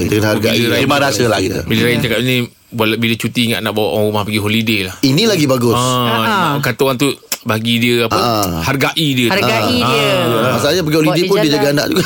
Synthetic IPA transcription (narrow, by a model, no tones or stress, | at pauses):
dəanharɡaʔiɾaimaɾasəlaḭmiliɾaint͡ʃakat̪̚inĩ | bualabilət͡ʃut̪iŋa̰ʔnaʔbawa̰ʔaɾumahpaɡiɦolidelahinĩlaɡibaɡʊsa | kat̪uant̪ubaɡidiəapaharɡaʔidiəɡaiamasalɲap̬aɡiholidepʊndiəd͡ʒaɡaːna̰ʔd͡ʒuɡa